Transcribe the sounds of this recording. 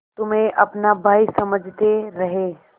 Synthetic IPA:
t̪ʊmẽʔɐpnabʱaːisɐməd͡ʒʱt̪eɾɐɦe

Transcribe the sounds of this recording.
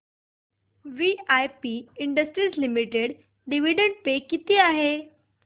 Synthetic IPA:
ʋiajpiɪɳɖəsʈɾizlimiʈeɽ | ɖiʋiɖə̃ɳɖ̚pekit̪eaːɦeː

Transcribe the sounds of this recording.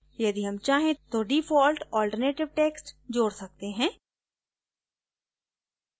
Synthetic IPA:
jɐd̪iɦɐmt͡ʃaːɦẽt̪oɖiːfɔːlʈɔːlʈəɾneːʈɪʋʈeːksʈd͡ʒoːɽsɐk̚t̪eɦɛ̃ː

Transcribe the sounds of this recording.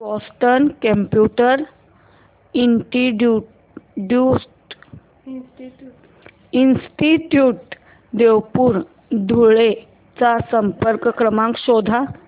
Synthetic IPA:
bɔsʈənkə̃mpjuʈəɾ | iɳʈiɖu | ɖjusʈ | insʈiʈjuːʈ | d̪ewpuːɾ | d̪ʱuɭe | t͡sasəmpəɾkəkɾəmãŋkɕod̪ʱa

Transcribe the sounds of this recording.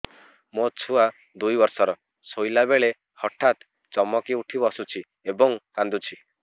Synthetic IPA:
mot͡ʃʰua | d̪ujbɔɾsɔɾɔ | sojlabeɭe | hɔʈʰat̪ | t͡ʃɔmːɔkiuʈʰibɔsut͡ʃʰi | ebɔŋkand̪ut͡ʃʰi

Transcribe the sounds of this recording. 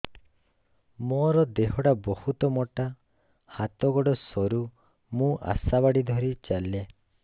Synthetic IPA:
mɔɾɔd̪eɦɔʈabɔhut̪ɔmoʈa | hat̪ɔɡɔɽɔsɔɾu | mũʔa̰sabaɽid̪ʱɔɾit͡ʃalːe

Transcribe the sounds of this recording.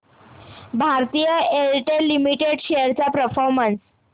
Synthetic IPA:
bʱaɾt̪ijəelʈelimiʈeɖɕejəɾt͡ɕapɾəfɔɾməns

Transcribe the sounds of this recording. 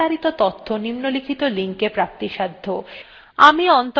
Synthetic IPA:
aɾit̪ot̪ɔt̪ʰːonimnolikʰit̪oliŋkepɾap̚t̪iʃad̪ʱːo | amiɔnt̪

